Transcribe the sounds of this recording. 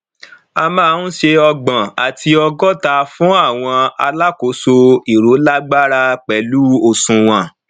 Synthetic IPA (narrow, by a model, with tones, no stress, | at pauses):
a˧mãː˦˨˧n̩˦ʃe˧ɔ˧ɡ͡bã˨a˨tʰi˧ɔ˧ɡɔ˦ta˧fũ˨˦a˦˨w̃ɔ̃˧a˧la˦ko˨˦so˧i˨ɾo˨˦la˦ɡ͡ba˦ɾa˧k͡pɛ˨˦lu˨˦o˦˨sũ˧w̃ã˨